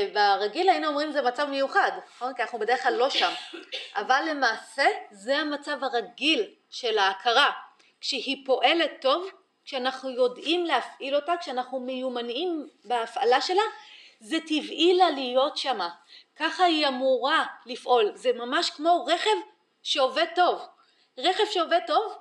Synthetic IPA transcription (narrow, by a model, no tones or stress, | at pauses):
veaʁaɡilainuomʁimzemat͡savmejuχadnaχo̞nkianaχnubede̞ʁeχlalːo̞ʃamʔavalːe̞maːse̞zeamat͡savaʁaɡil | ʃe̞laːkʰaʁa | kʃehipo̞ʔe̞le̞tːo̞v | kʃeanaχnujo̞dʔimlehafʔilo̞takʃeanaχnumejumanimbeafalaʃe̞lazetivʔilalijo̞tʃamakaχaiamuʁalifʔo̞lzemamaʃkmo̞ʁe̞χe̞v | ʃeoveto̞v | ʁeχe̞vʃeoveto̞v